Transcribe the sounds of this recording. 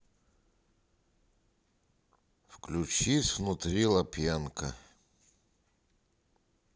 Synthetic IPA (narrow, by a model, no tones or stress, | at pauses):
fklʲʊt͡ɕisʲvnʊt̪ɾʲilˠɐpʲjankə̰